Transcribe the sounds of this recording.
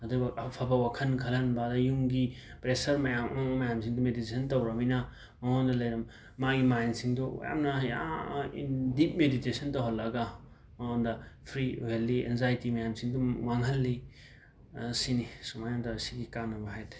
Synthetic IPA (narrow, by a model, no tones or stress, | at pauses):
ɐdubɐpʰabɐwakʰɐnkʰɐlɐnbadɐjuŋɡipɾesɐɾmɐjammɐjamsiŋdɔmeditesʰɐntɐwɾɐminɐ | mɐŋɔndɐlɐjɾɐmː | aɡimajnsiŋdɔ̰ja̰mnɐja̰ḭndit̚meditesɐntaɦollɐɡa | mɐŋondɐpʰɾiɦelːiḛnzajtimɐjamsiŋduwaŋɦɐlːi | sinisumajamtaɐsiɡikanːɐbɐɦajt